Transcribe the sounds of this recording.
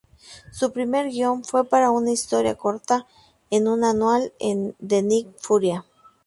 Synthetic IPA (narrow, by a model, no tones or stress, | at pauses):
supɾime̞ɾɡjo̞ɱfwe̞paɾaunaist̪o̞ɾja̰ko̞ɾt̪a | enunanwalḛnd̪enik̚fuɾja